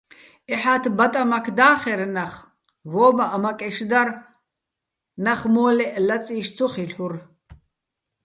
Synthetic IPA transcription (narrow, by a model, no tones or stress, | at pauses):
ɛħat̪ʰbat̪ʼamakʰd̪aːχɛɾnaχ | vɔːmaʔamakʼɛʃd̪ar | naχmɔːlɛʔlat͡sʼiːʃt͡sʰɔχiɬuɾ